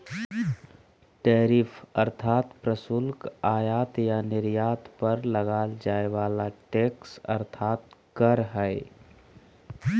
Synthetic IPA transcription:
ʈɛːɾifʰɐɾt̪ʰaːt̪pɾəsʊlkaːjaːt̪janɪɾjaːt̪pəɾləɡaːld͡ʒaːeʋaːlaʈeːksɐ̰ɾt̪ʰaːt̪̚kəɾɦɛe

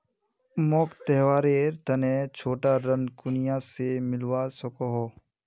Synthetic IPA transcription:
moːkt̪ɛɦʋaːɾeːɾt̪ɐneːt͡ʃʰoːʈaɾənkʊnijasemɪlwasɔkoɦoː

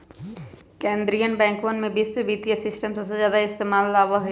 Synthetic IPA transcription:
kẽːnd̪ɾijənbɛ̃ːŋkʋənmẽbiːsʋebiːt̪ijəsɪsʈəmsɐbsezjaːd̪aɪst̪eːmaːlːaːʋaɦ

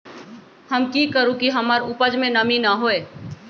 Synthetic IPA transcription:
həmkikəɾũkiɦəmaɾʊpəd͡ʒmẽnəminəɦoeː

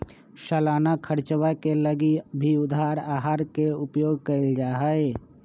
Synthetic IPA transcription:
ʃəlaːnakʰəɾt͡ʃwakeləɡibʱiʊd̪aːɾaːɦaːɾkeʊpjoːɡkəɪld͡ʒaːɦəe

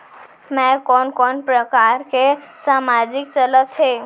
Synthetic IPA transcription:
mɛ̃kɔːnkɔnpɾəkaːɾkesaːmad͡ʒɪk̚t͡ʃələt̪ɦe

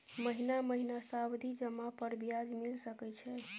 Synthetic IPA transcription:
məɦinaməɦinasawd̪ʱid͡ʒəmːapəɾbjad͡ʒmilsəkɛt͡ʃʰɛ

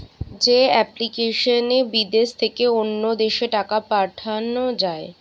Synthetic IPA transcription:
d͡ʑeɛplikeʃonebid̪eʃt̪ʰekeonːod̪eʃeʈakapaɾʈʰanod͡ʑae

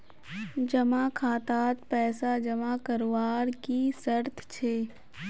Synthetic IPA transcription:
d͡ʒɐmakʰaːt̪aːt̪pɛːsad͡ʒɐmakɐɾwaːɾkisəɾt̪ʰt͡ʃʰeː

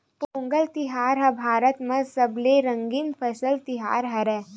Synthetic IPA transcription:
põːŋɡəlt̪ɪɦaːɾɦɐbʱaːɾət̪mẽsɐbleɾɐ̃ŋɡinpʰɐsəlt̪ɪɦa̰ːɾɦɐɾɛː

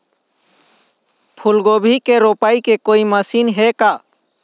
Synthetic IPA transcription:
pʰʊlɡoːbʱikeɾoːpaːikekoːiməsiːnɦeka

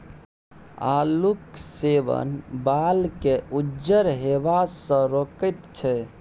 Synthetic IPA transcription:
a̰lukseʋə̰nbalkeud͡ʒəɾɦebasə̃ɾokət̪t͡ʃʰɛ

